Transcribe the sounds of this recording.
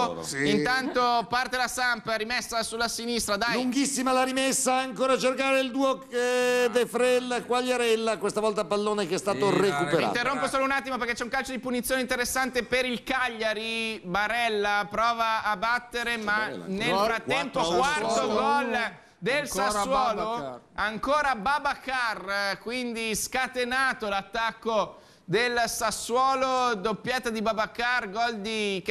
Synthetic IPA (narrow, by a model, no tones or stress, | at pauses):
int̪ant̪opart̪elasampaɾimɛsːasulːasinist̪ɾad̪ajluŋɡisːimalaɾimesːaaŋkoːɾat͡ʃerkaːɾeild̪uːo | d̪efɾɛlːkwaʎːaɾɛlːakwest̪avɔlt̪apalːoːnekɛst̪aːt̪orekupeɾiã̰ːt̪erːomposoːlounat̪ːimopeɾrkɛt͡ʃɛuŋkalt͡ʃod̪ipunit̪sjoneint̪eɾesːant̪epeɾilkaʎːaɾibaɾɛlːapɾɔːvaːbat̪ːeɾemannelfɾat̪ːɛmpokwartt̪oɡɔl | d̪elsasːwɔːlo | aŋkoːɾababakarkwind̪iskat̪enaːt̪olat̪ːakːo | d̪elsasːwɔːlod̪opːjɛːt̪ad̪ibabakarɡɔld̪ik